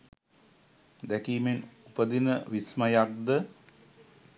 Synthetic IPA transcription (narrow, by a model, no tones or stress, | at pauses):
d̪ækiːmenupəd̪inəʋismɐjak̚d̪ə